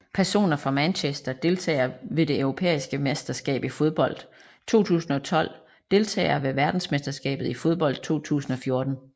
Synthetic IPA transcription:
pʰæɐso̝̰ːnɐfʁɑ̈mænɕesd̥ɐd̥e̝lt͡sʰɛ̰ːɪɐʋe̝d̥e̝øʊʁo̝pʰḛːisɡ̥əmesd̥ɐsɡ̥ɛ̰ːb̥ifo̝ð̞ˠb̥ɒ̽l̰d̥ | t͡sʰo̝̰ːt͡sʰṵːsn̩ɒ̽t͡sʰɒ̽l̰ | d̥e̝lt͡sʰɛ̰ːɪɐʋe̝ʋæɐd̥n̩smesd̥ɐsɡ̥ɛ̰ːb̥ð̩ˠifo̝ð̞ˠb̥ɒ̽l̰d̥̚t͡sʰo̝̰ːt͡sʰṵːsn̩ɒ̽fjo̝ɐd̥n̩

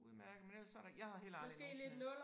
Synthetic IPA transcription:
mæɐɡ̥menelɐsːɒɐɾ̥ɑjɑ̈ɪhɑ̈he̝̰ːlɑmɒse̝̰ːle̝d̥nɔ̽l

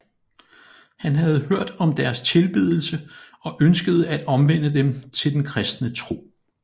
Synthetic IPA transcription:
hænɦæð̞̩ˠɦøɐ̰d̥ɒ̽md̥æɐst͡sʰe̝lb̥ið̞ˠl̩sə | ɒ̽ʔønsɡ̥əð̞̩ˠəæd̥ɒ̽mʋen̰əd̥emt͡sʰe̝ld̥enkʰʁɛsd̥nət͡sʰʁo̝̰ː

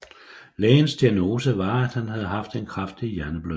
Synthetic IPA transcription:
lɛ̰ːnsd̥iæno̝ːsəʋɑ̈æd̥hænɦæð̞̩ˠəɦɑ̈fd̥e̝nkʰʁafd̥ijæɐnəb̥lø

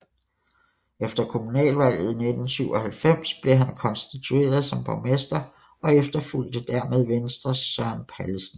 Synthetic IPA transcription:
efd̥ɐkʰo̝munɛ̰ːlʋæl̰ð̞̩ˠne̝d̥n̩syʊ̰ɒ̽hælfem̰sb̥le̝ɦænkʰɒ̽nsd̥it͡sʰue̝̰ːɐð̞ˠsɒ̽mpʰɑmesd̥ɐ | ʔɒ̽efd̥ɐful̰d̥əd̥æɐmeð̞ˠʋensd̥ʁɐsɶɐ̰npʰæləsn̩

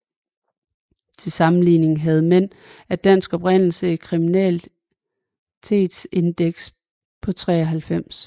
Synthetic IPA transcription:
t͡sʰe̝lsɑ̈mn̩liːne̝ŋ̩ɦæð̞̩ˠmen̰ | æd̥æn̰sɡ̥ɒ̽b̥ʁen̰l̩səikʰʁiminɛ̰ːl | t͡sʰe̝ːd̥se̝nd̥eɡ̥s | pʰɒ̽t͡sʰʁɛ̰ːɒɦælfem̰s

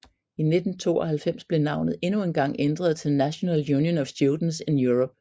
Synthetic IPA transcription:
ine̝d̥n̩t͡sʰo̝̰ːɒ̽hælfem̰sb̥le̝nɑ̈ʊnəð̩ˠe̝nuenɡ̥ɑ̈ŋ̰end̥ʁɐð̞̩ˠt͡sʰe̝lnæɕo̝nɛljuːnjənɒsjuld̥n̩se̝njuʁɔ̽b̥̚

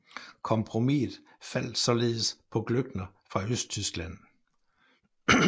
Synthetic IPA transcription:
kʰɒ̽mpʰʁo̝mið̩ˠ | fæl̰d̥sɒ̽le̝ːð̩ˠspʰɒ̽ɡ̥løɡ̥nɐ | fʁɑ̈øsd̥̚t͡sʰysɡ̥læn̰

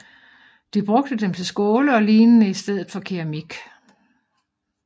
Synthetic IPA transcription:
d̥ib̥ʁɔ̽ɡ̥̚d̥əd̥emt͡sʰe̝lsɡ̥o̝ːləɒ̽liːnənəisd̥eð̞̰ˠð̩ˠfɒ̽kʰiʁæmiɡ̥

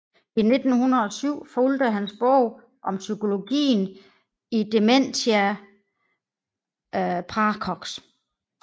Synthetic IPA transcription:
ine̝d̥n̩hunɐð̩ˠɒ̽syʊ̰fold̥əɦænsb̥ɔʊ̰ | ʔɒ̽msykʰo̝lo̝ɡ̥ḭːn | id̥e̝men̰t͡sʰiæ | pʰʁɑkʰɒɡ̥s

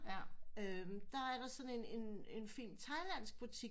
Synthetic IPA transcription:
ømd̥ɑ̈æɐɾɑ̈sɒ̽ne̝ne̝ne̝nfḭːnt͡sʰɑ̈ɪlæn̰sɡ̥̚b̥ut͡sʰi

